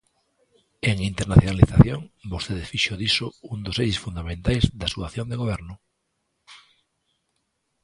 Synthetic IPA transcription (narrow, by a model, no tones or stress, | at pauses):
eŋint̪eɾnaθjonaliθaθjoŋbost̪eðefiʃoðisound̪osejsfund̪amẽnt̪ajzðasuaθjond̪eɣoβ̞ɛɾnʊ